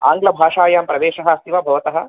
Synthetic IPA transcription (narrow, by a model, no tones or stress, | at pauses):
a̰ːŋɡlɐbʱaːʂaːjaːmpɾɐʋeːʂɐɦɐɐst̪iʋɐbʱɐʋɐt̪ɐɦɐ̆